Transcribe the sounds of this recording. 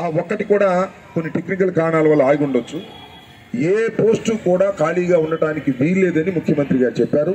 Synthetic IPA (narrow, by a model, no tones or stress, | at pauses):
aːɔkːɐʈikuːɽaː | konːiʈe̞knikɐlkaːɾɳaːlɐʋɐlːɐaːjiuɳɖot͡ʃːu | eːpo̞ːsʈukuːɽaːkaːliːɡaːuɳɖɐʈaːnikiʋiːɾleːd̪ɐnimukʰjɐmɐnt̪ɾiɡaːɾut͡ʃɛpːaːɾu